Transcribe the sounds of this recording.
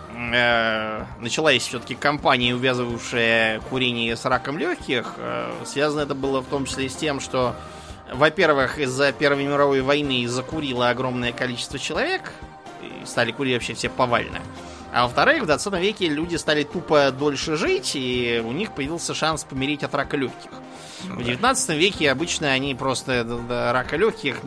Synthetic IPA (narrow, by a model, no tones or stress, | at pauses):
ə | nət͡ɕɪlˠasʲfsʲɵt̪ə̥kʲɪkɐmpanʲɪːʊvʲazɨvəjfʂɨjəkʊɾʲenʲɪjəsɾakəmlʲoxʲkʲɪxə̰svʲazənəɛt̪əbɨlˠəft̪o̞mt͡ɕɪ̥sʲlʲesʲtʲe̞mʂt̪o | vɐpʲe̞rvɨxizːəpʲe̞rvəjmʲɪɾɐvo̞jvɐjnɨzːəkʊɾʲilˠəɐɡɾo̞mnəjəkɐlʲit͡ɕɪst̪vət͡ɕɪlˠɐvʲe̞k | ḭst̪alʲɪkʊɾʲitʲvɐpɕːefsʲepɐva̰lʲnɨ̰ | a̰vəft̪ɐɾɨxvd̪vɐt̪sat̪əmvʲekʲɪlʲudʲɪst̪alʲɪt̪upəd̪o̞lʲʂɨʐɨtʲiʊnʲixpəjɪvʲilˠsʲəʂanspəmʲɪɾʲetʲɐt̪ɾaklʲɵxʲkʲɪx | vdʲɪvʲɪt̪nat̪sɨ̥t̪əmvʲekʲɪɐbɨt͡ɕnəɐnʲipɾo̞st̪əd̪aɾakɐlʲɵçʲkʲɪx